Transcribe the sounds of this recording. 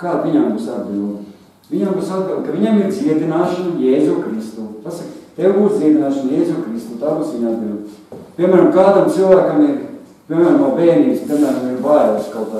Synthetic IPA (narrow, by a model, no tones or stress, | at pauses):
kaːviɲambusad̪bilˠ | ʋiɲambusad̪̚bilˠkɐʋiɲamiɾt̪siɛt̪inaːʃɐnujɛːzuːkɾist̪uːpasakt̪ewɡuːst̪siɛt̪ʲnaːʃɐnjeːzuːkɾist̪uːt̪aːbusʋiɲad̪bilˠ | piɛmæːɾɐmkaːd̪amt̪silˠvæːkamiɾ | piɛmæːɾɐmnuɔbeːniːbspʲiɛmæːɾamiɾvaːɾoskawka